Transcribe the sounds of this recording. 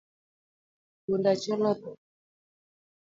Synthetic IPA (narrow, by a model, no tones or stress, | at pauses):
kundat͡ʃɔlɔtɔ